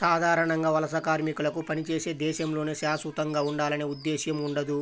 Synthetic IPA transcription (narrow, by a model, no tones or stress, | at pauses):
saːd̪ʱaːɾɐɳɐŋɡaːʋɐlɐsɐkaːɾmikulɐkupɐnit͡ʃeːseːd̪ɛːʃɐmlo̞ːneːʃaːsʋut̪ɐŋɡaːuɳɖaːlɐneːud̪ːeːʃjɐmuɳɖɐd̪u